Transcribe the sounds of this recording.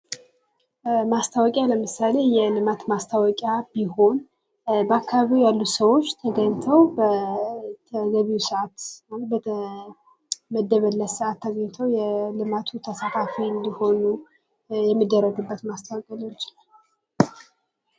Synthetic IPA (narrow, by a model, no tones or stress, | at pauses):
mast̪ʰawɔkʼjaləmɨsale̞jɛlɨmat̪mast̪ʰawɔkʼjabiho̞n | bəakːaβaβiwjalːusəwo̞t͡ʃːt̪ʰəɡəɲt̪ʰəwbət̪ʰəɡəβiwsəʔat̪malət̪̚bəə | məd̪ːəβəlːəssʔat̪ʰːəɡəɲt̪ʰəwjɛlɨmat̪ʰut̪ʰəsat̪ʰafiɨnd̪iho̞nu | jɛmːɨd̪ːərːəɡɨbːət̪mast̪ʰawɔkʼjalot͡ʃː